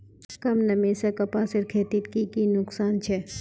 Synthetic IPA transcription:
kɐmnɐmẽsekɐpaːsɪɾkʰeːt̪ɪt̪kikinʊksaːnt͡ʃʰɛ

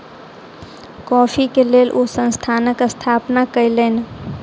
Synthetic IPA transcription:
kɔːpʰikeleːlʔosə̃nst̪ʰaːnəkəst̪ʰaːpnakəilən

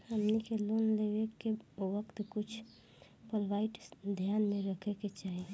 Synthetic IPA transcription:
əmnikeloːnleʋekeʋəkt̪kʊt͡ʃʰ | pəlʋaːɪʈd̪ʱjaːnmẽɾəkʰeket͡ʃaːɦi

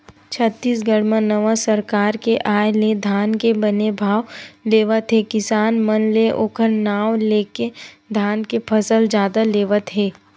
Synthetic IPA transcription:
t͡ʃʰət̪ːiːsɡəɽmə̃nəʋasəɾkaːɾkeʔaːjled̪ʱaːnkebənebʱaːʋleːʋət̪ɦekɪsaːnmənleʔoːkʰəɾnaːʋleːke | d̪ʱaːnkepʰəsəld͡ʒjaːd̪aleːʋət̪ɦeː

